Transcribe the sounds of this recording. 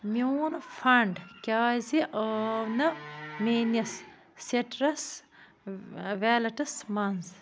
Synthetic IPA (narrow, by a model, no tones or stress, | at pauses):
monfɐɳɖkʲaːziʔɐnɐmeːnɐs | seʈɾɐs | ʋalɐʈɐsmɐnz